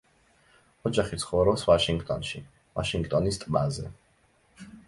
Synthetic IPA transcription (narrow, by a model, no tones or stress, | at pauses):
ɔd͡ʒaχit̪sʰχɔvɾɔsvaʃiŋɡt̪ʼɔnʃi | vaʃiŋɡt̪ʼɔnist̪ʼbazɛ̰